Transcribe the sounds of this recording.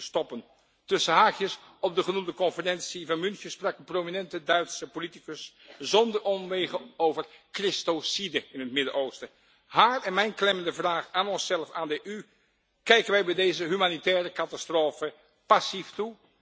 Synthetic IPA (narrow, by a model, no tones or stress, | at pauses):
stɔpən | tɵsəɦaːχjəsɔp̚dəχənumdəkɔnfərɛnsivɑnmɵnsəspraːkənprowminɛntədœɥtsəpolitikəs | zɔndəɹɔmʋejχəowvəɹkrɪstosidəɪnɦətmɪdəɹʔowstə | ɦaːrɛnmɛjnklɛməndəvraːχaːnɔnsɛlˠfaːndəʔy | kɛjkənʋɛjbɛjdejzəɦymaːnitɛːrəkɑtastroːfə | pɑsiftu